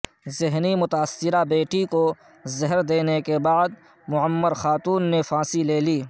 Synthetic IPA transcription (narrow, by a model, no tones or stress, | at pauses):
zɪɦnimʊt̪aːsːɪɾabeːʈiko | zɐɦəɾd̪eːnekebaːd̪̚ | mʊəmːəɾxaːt̪uːnːefãːsileːliː